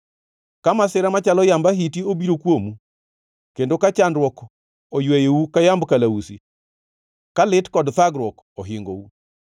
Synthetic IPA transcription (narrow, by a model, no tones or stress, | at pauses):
kamasɪɾamat͡ʃalɔjambaɦitiobiɾokwomu | kendokat͡ʃandwɔk | ojwɛjeukajambkalausi | kalɪtkɔdt̪aɡɾwɔk | oɦɪŋɡo̰u